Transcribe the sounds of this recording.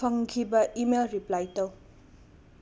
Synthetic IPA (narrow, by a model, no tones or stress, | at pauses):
ʌŋkʰibaʔimelɾiplajt̪ʌw